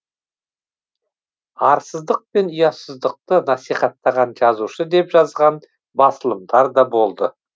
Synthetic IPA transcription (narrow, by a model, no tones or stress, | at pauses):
ɑɾsəzd̪əq̚pe̞nʊjɑsəzd̪əq̚t̪ənɑsijχɑt̪ːɑʁɑnʒɑzuʃəd̪e̞pʒɑzʁɑn | bɑsəlˠəmd̪ɑɾd̪ɑbo̞lˠd̪ə